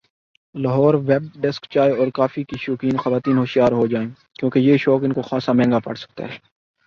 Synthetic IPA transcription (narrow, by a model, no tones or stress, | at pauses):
laɦɔːɾʋɛːb̚ɖɛskt͡ʃaːeɔːɾkaːfikiʃoːkiːnxɐʋaːt̪iːnɦoːʃijaːɾɦod͡ʒaːẽːkjõːkejeːʃɔːkɪnkoxaːsamɛ̃ːŋɡapɐ̰ɽsɐ̥k̚t̪a̰ɦɛː